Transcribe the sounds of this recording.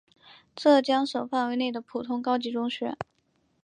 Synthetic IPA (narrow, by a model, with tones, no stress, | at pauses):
ʈ͡ʂɤ˥˩t͡ɕjɑ˥ŋʂɤ˨˩ʊfa˥˩nwe˧˥ɪne˥˩ɪd̪ə˩pʰu˨˩t̪ʰʊ˥ŋkɑ˥ʊt͡ɕi˧˥ʈ͡ʂʊ˥ŋɕɥɛ̰˧˥